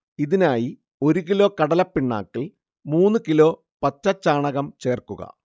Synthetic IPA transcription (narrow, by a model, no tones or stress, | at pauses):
iðinaːji | o̞ɾuɣilo̞ːkɐɽɐlɐpːiɳːa̰ːkːil | muːnːɨkilo̞ː | pɐtːɐt͡ɕːaːɳɐɣɐmt͡ɕe̞ːrkːuɣɐ̰